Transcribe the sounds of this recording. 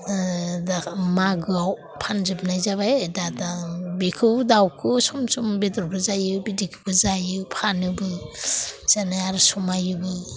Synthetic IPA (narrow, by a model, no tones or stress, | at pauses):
damaɡɯaw | pʰanzɯp̚najzaβajdadabikʰɯwdawkʰɯsɔmsumbedɔɾbʰɯzajɯbidikʰɯ̥bɯzajɯpʰanɯbɯ | z̥anaaɾsɔmajɯbɯ